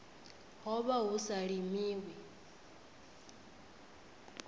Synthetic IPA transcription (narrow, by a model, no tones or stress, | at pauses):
hɔβaɦusaɺimiːwɛ